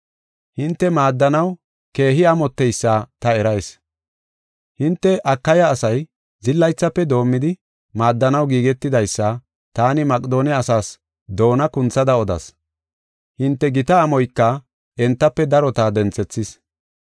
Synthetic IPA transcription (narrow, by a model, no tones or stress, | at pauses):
hɪnt̪ːɛmaːd̪ːɐnɐw | ke̞ːɦɪɐmɔt̪ːɛjsːɐt̪ɐɛɾɐjs | hɪnt̪ːɛʔɐkːɐjɐːsɐj | zɪlːɐjt͡sːɐpːɛd̪o̞ːmːɪd̪ɪ | maːd̪ːɐnɐwɡiːɡɛt̪ːɪd̪ɐjsːɐ | t̪aːnɪmɐkʼd̪o̞ːnɪɐsaːs | d̪o̞ːnɐkʊnt͡sːɐd̪ɐɔd̪ɐ̰s | hɪnt̪ːɛɡɪt̪ɐːmɔjkːɐ | ɛnt̪ːɐpːɛd̪ɐɾɔt̪aːd̪ɛnt͡sːɛt͡sːɪs